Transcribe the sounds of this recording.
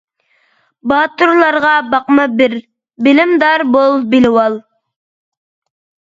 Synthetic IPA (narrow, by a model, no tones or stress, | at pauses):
bɑːt̪uɾlˠɑɾʁɑbɑqmɑbɪɾ | bɪlɪmd̪ɑɾbolˠbɪlɪwɑlˠ